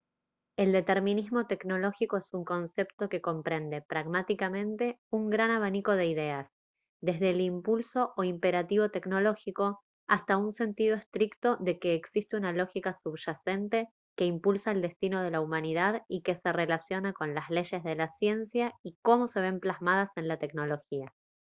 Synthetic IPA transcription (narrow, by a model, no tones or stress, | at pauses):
e̞ld̪e̞t̪e̞ɾmĩnizmo̞t̪e̞kno̞lo̞xiko̞esuŋko̞nse̞pt̪o̞ke̞ko̞mpɾe̞nd̪e̞pɾaɣmat̪ikamẽ̞nt̪e̞uŋɡɾanaβ̞aniko̞ð̞e̞iðe̞as | d̪e̞zð̞elimpulso̞ʔoimpe̞ɾat̪iβo̞t̪e̞kno̞lo̞xiko̞ | ast̪aunse̞nt̪iðo̞est̪ɾikt̪o̞ðe̞ke̞ːksist̪eunalo̞xikasuβʒase̞nt̪e̞ | ke̞impulsaeld̪e̞st̪ino̞ð̞e̞laumãniðaðike̞se̞re̞lasjo̞nako̞nlazle̞ʃe̞zðe̞lasje̞nsjaiko̞mo̞se̞β̞e̞mplazmað̞ase̞nlat̪e̞kno̞lo̞xia